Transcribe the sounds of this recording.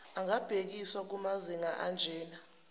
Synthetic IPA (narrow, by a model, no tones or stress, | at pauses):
aŋab̥ʱek̬iswak̬umaziŋaʔand͡ʒʱɛːna